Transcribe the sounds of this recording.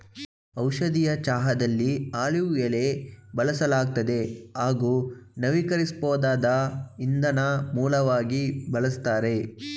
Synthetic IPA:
ɐwʃɐd̪ijɐt͡ʃaːɦɐd̪ɐlːiaːɭijɐle̞bɐlɐsɐlaːɡ̚t̪ɐd̪e̞ɦaːɡuːnɐʋikɐɾispoːd̪aːd̪ɐind̪ɐnɐmuːlɐʋaːɡibɐlɐst̪aːɾe̞

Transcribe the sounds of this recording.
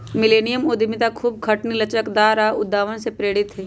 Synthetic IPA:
mɪleːnijəmod̪ʱɪmɪt̪akʰuːb̚kʰɐʈnilɐt͡ʃəkd̪aːɾaʊd̪aːʋənsepɾeːɽɪt̪ɦeː

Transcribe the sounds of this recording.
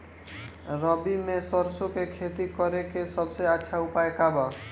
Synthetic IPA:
ɾəbimesɔɾsokekʰet̪ikɔɾekesʌbseatːʃʰaupaekaba

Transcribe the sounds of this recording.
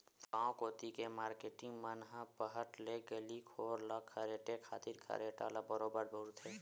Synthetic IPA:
fãːkoːt̪ikemaːɾkeːʈɪ̃ŋɡmənɦə̃pəɦəʈleɡəlikʰoːɾlakʰːəɾeːʈekʰaːt̪iɾkʰa̰ɾeʈa̰ːlabəɾoːbəɾbʱuɾut̪ʰeː

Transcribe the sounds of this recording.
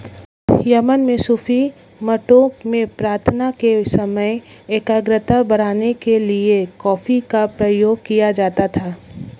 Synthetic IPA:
jɐmənmẽsʊfʰi | mɐʈoːkmẽpɾaːɾt̪ʰnakesɐməjeːkəɡɾət̪abɐɽ̃aːnekeliekɔːfikapɾəjoːɡkijad͡ʒaːt̪at̪ʰaː

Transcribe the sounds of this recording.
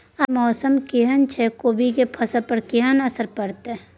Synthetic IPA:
ɐmɔːsəmkiɦənt͡ʃʰekoːbikepʰɐsəpəɽkiɦənɐsəɾpɐɽt̪e

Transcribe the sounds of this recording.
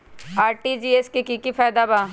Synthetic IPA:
aːɾʈid͡ʒiːeskikikipʰɛːd̪abaː

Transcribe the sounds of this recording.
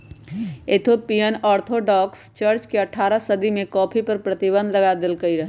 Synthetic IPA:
et̪ʰopijənɔɾt̪ʰoɖɔkst͡ʃəɾt͡ʃkeəʈʰaɾəsəd̪ʱimekɔpʰipəɾpɾət̪ibə̃nd̪ləɡad̪elkəiɾəɦ

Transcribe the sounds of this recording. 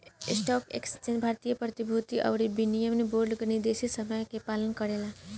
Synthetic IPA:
ɪsʈɔːkḛkst͡ʃenbʱaːɾt̪ijəpɾət̪ibʱut̪iʔə̰ʊɾibinijəmneboːɾɖɡnid̪esisəməjkepaːlənkəɾela

